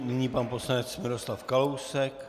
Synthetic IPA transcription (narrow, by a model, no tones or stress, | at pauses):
nɪɲiːpanpo̞slanɛt͡smɪɾo̞slafkalowsɛk